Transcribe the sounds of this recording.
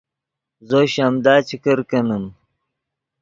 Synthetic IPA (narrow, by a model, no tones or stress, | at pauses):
zoɕamd̪aːt͡ɕikəɾkɐnum